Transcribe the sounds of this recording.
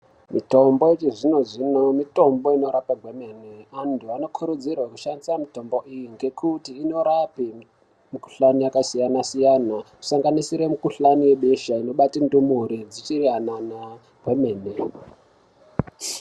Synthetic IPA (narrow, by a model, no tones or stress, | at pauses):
mito̞mbo̞et͡ʃiʐino̞ʐinomito̞mbo̞ino̞ɾapaɡʱwe̞meneantʰuano̞kʰuɾud͡zirwakuʃandisamito̞mbo̞ʔijiŋɡe̞kʰutiːno̞ɾapi | miku̥ɬanijakasijanasijanaku̥saŋɡanisiɾe̞mukuɬaniwe̞ɓeʃaino̞ɓatindumuɾid͡zit͡ʃiriɦanana | ɡ̥we̞meːne